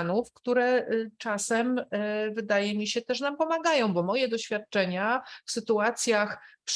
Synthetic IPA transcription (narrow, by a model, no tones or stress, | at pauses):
nufkt̪uɾɛt͡ʂasɛmvɘd̪ajɛmʲiɕɛt̪ɛʂnampɔmaɡajɔ̃w̃bɔmɔjɛd̪ɔɕfʲjat̪̚t͡ʂɛɲafsɘt̪uat̪sʲjaxpʂ